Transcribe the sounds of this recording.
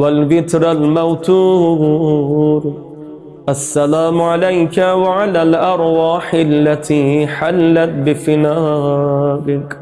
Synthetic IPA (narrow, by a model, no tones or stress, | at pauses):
walbɪt̪ɾalmawt̪uː | ɾ | ʔasːalaːmʊʕalajkawaʕalaːlʔɑɾˤwaːħɪlːat̪ʰiːħalːat̪̚bɪfɪnaː | ɾɪk